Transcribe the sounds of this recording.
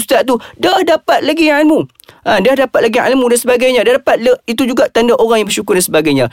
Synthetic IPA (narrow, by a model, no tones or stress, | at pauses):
st̪aʔt̪udahdapat̪̚laɡialmũ | adahdapat̪̚laɡiʔa̰lmũdansəbaɡajɲãdahdapat̪̚ləit̪ud͡ʒuɡaʔt̪andaʔoɾaŋjaŋbərʃukʊrdansəbaɡajɲã